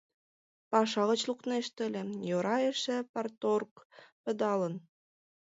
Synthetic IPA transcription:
pɑʃɑɣə̆t͡ɕlukneʃt̪ə̆lʲĕjoɾɑjeʃĕpɑrt̪orkpə̆d̪ɑlən

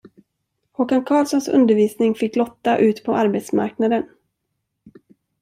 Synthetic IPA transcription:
hɔkankʰɑːlsɔnsɵ̰nd̪əɾviːsnɪŋfɪkːlɔt̪ːaʔʉ̟ːt̪pʰɔʔaɾbet̪sma̰ɾknad̪ən

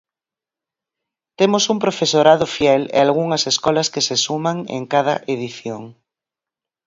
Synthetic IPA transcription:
t̪emosumpɾofesoɾað̞ʊfjɛlḛalɣ̞uŋɐseskɔlɐskesesumaŋḛŋkaðɐ̰ʔeðiθjoŋ

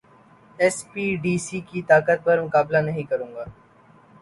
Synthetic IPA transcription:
ɛspiːɖiːsikit̪aːkət̪̚pɐɾmʊkaːblanɐɦĩkɐɾũːŋɡaː

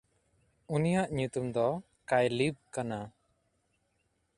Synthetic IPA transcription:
unijaʔɲut̪umd̪ɔ | kajlib̚kana

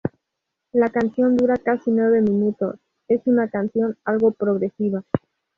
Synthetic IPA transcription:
lakansjo̞nd̪uɾakasinwe̞β̞e̞mĩnut̪o̞̰s | e̞sunakansjo̞nalɣo̞pɾo̞ɣɾe̞siβa

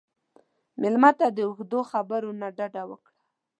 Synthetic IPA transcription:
mɪlmat̪ad̪əʊxd̪oxabəɾonaɖaɖawəkɽa

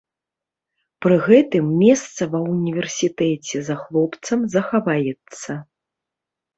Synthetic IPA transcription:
pɾɨɣɛt̪ɨmːʲɛst̪sɐvɐunʲivʲɛrsʲit̪ɛt͡sʲɛzaxlˠɔpt̪sɐmzɐxavajɛt̪sːɐ

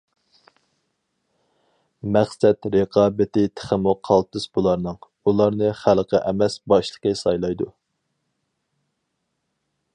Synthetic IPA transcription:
mæχsɛt̪ɾəqʰɑːbɪt̪ɪt̪ʰɪ̥χəmuqʰɑlˠt̪ɨsbulˠɑɾnɨŋ | ulˠɑɾnɨχælˠqʰəʔɛmɛsbɑʃlˠə̥qəsɑjlˠɑjd̪u

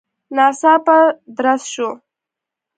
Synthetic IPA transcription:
nɑsɑpad̪ɾasʃo

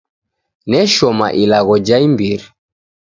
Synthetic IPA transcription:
nɛʃɔma̰ʔilaɣɔd͡ʒaimbiɾi

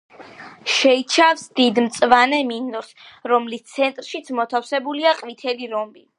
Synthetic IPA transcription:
ʃɛit͡ʃʰafsd̪id̪mt̪sʼvanɛminɔsɾɔmlist̪sʰɛnt̪ʼɾʃit̪sʰmɔt̪ʰafsɛbuliaqʼvit̪ʰɛliɾɔmbi

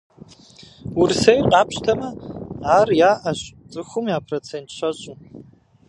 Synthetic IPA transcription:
wʊrsejqʼɑːpɕtʰɐmɐaːrjaːʔɐɕʼtʼɨxʷʊmjaːpʰrot͡sʰeːntɕɐɕʼu

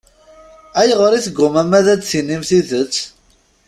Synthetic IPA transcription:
æjʁəɾiθɡʷːʊmæmæðæt͡sθinːimθiðət͡sː

